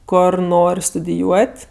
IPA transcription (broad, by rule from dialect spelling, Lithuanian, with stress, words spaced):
ˈkoːr ˈnoːrʲ stʊdʲɪˈjuɔtʲ